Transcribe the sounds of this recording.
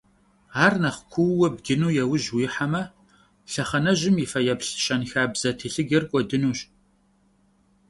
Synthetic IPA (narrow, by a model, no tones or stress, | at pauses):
aːrnɐχkʷʰʊwwɐb̚ɡʲɪnuːjɛwʊʒwiːħamɐ | ɬɐχɐnɐʑɪmjifɐjɐpɬɕɐnxaːbz̥ɐtʰiːɬɨɡɐrkʷʼɔdɨnuːɕ